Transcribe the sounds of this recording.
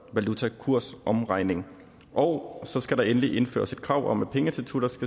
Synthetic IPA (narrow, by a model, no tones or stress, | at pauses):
ʋælut͡sʰækʰuɐ̰sʔɒ̽mʁɑ̈ɪ̰ne̝ŋ | ʔɒʊsɒ̽sɡ̥æɾɑ̈enəliʔe̝nfø̰ːɐsid̥̚kʰʁɑ̈ʊ̰ʔɒ̽mæpʰeŋət͡sʰelt͡sʰuɾ̥ɑsɡ̥æ